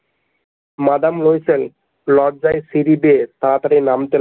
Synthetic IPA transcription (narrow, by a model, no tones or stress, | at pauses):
mad̪amlojsel | lɔɖd͡ʑajsiɾibet̪at̪aɾinamt̪el